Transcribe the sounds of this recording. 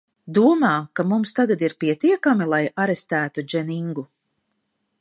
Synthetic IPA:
d̪uɔmaːkamumst̪aɡad̪iɾpiɛt̪iɛkamilˠajaɾest̪æːt̪ud͡ʒɛniŋɡu

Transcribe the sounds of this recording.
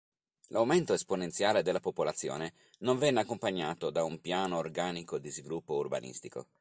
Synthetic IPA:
lʔawment̪oesponent̪sjaːled̪elːapopolat̪sːjo̰ːne | nõɱvɛnːeakːompaɲːaːt̪od̪aumpjaːnoːrɡaːnikod̪izvilupːourba̰nʔḭst̪iko̰

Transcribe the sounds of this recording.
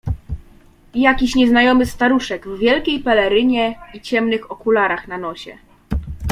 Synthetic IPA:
jakʲiɕɲɛznajɔmɘst̪aɾuʂɛɡvːʲjɛlkʲejpɛlɛɾɘɲɛit͡ɕɛmnɘxɔkulaɾaxnanɔɕɛ̰

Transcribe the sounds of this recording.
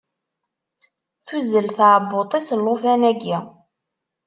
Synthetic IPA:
θuzəlθʕbːot̪ˤisəlːofænæɡi

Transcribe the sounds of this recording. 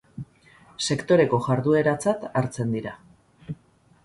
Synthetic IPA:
se̞kt̪o̞ɾe̞ko̞ʝaɾðue̞ɾat͡sat̪aɾt͡se̞nd̪iɾa

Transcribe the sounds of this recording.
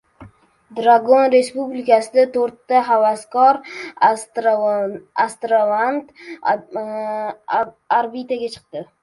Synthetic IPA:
d̪ɾaɡonɾe̞spublɪkasɪd̪at̪ʰoɾt̪ːaɦavaskɒɾ | ast̪ɾavand̪ | aɾbit̪aɡʲat͡ʃʰɨ̥q̚t̪ɪ

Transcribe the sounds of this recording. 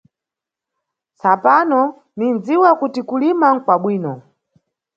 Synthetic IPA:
sapanɔ | nind͡ziwakutikulimaŋ̩kwaɓwiːnɔ

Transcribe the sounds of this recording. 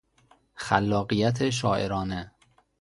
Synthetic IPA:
xælːɒːɢijæt̪ʰeʃ̬ɒːʔeɾɒːne

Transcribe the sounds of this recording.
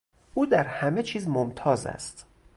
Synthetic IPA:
ʔuːd̪æɾhæme̞t͡ʃʰiːzmomt̪ʰɒːzæ̰st̪

